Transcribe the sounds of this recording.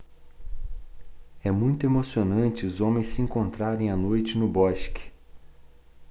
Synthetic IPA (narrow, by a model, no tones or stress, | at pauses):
ɛmũj̃t̪ʊemosionɐ̃t͡ʃɪʊzõmẽj̃sɪĩŋkõnt̪ɾaɾẽj̃anojt͡ʃɪnʊbɔʃkɪ̥